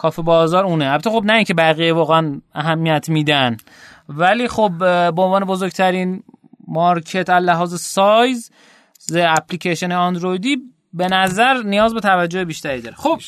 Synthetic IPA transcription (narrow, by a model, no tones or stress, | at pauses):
kʰɒːfibɒːzɒːɾuːneælbæt̪ːexobnæiːŋcʰebæɣijevɒːɣeænæɦæmːijæt̪ʰmiːd̪æn | væliːxobbeonvɒːne̞bozoɾɡ̚t̪ʰæɾiːnmɒɾkʰet̪ʰællæɦɒːzesɒjz | zeæpʰlicʰeʃeneɒnd̪ɾojd̪iː | be̞næzæɾnijɒːzbe̞t̪ʰævæd͡ʒːo̞hebiːʃt̪æɾiːd̪ɒːɾexob̥̚